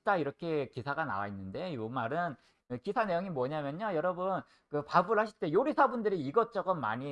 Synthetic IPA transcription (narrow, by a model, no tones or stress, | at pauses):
t͈aiɾʌkʰe̞kisʰaɡana̰wainːɯnde̞jomaɾɯn | ɯkisʰane̞joŋimwʌɲamjʌɲojʌɾʌbɯn | kɯpabɯɯɭhaɕʰi̥ɭt͈e̞joɾisʰabundɯɾiːɡʌt͡ɕ͈ʌɡʌnma̰ɲi